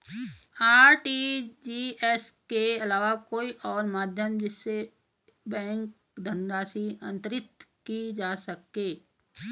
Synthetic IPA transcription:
aːɾʈid͡ʒiːɛskeɐlaːʋakoːiʔɔːɾmaːd̪ʱjəmd͡ʒɪsːe | bɛ̃ːŋk | d̪ʱənɾaːsiɐ̃nt̪əɾɪt̪kid͡ʒaːsəkːeː

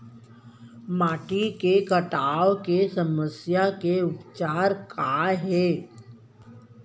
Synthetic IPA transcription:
maːʈikekəʈaːokesɐməsjakeʊpt͡ʃaːɾkaɦɛː

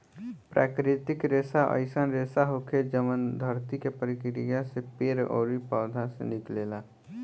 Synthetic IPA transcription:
pɾʔa̰ːkɾɪt̪ɪkɾeːsaʔə̰ɪsanɾeːsaɦokʰed͡ʒəmənd̪ʱəɾt̪ikepəɾɪkɾijãsepeːɾo̰ːɾipaʊd̪ʱãsḛnɪkleːla

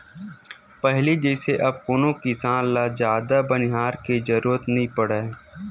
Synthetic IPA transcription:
pɛɦlid͡ʒɛːseʔɐb̚kʊnõkisãːlad͡ʒjaːd̪abənɪɦaːɾked͡ʒɐɾuːɾət̪nɐɦĩpəɽa

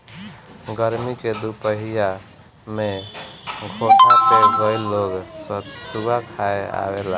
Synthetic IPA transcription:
ɡəɾmiked̪upəɦija | me | ɡʱoʈapebəilːoɡssubʱakʰaea̰bela̰

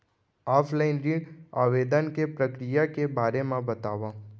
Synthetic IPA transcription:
afʰlainɾia̰ʋed̪ənkepɾəkɾijakebʱaɾemãbət̪aʋã

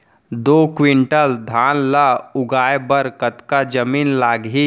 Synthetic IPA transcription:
d̪okʋiɳʈəld̪ʱaːnlaʊɡaːjebəɾkət̪kad͡ʒəmiːnlaːɡɦi

